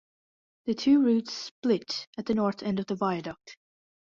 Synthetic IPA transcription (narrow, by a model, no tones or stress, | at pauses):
ðɨtʰʉɹʉtsplɪɾɨt̪̚ðɨnɔɹθɛ̃ndʌvðəvaɪɨdɔk̚t